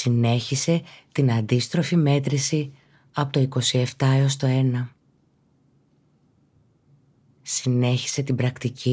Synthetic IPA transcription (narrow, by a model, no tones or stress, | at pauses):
ine̞çise̞t̪inɐnd̪ist̪ɾo̞fime̞t̪ɾisi | ɐpot̪oiko̞sie̞ft̪ɐeo̞st̪o̞e̞nɐ | sine̞çi̥se̞t̪ibɾɐkt̪ici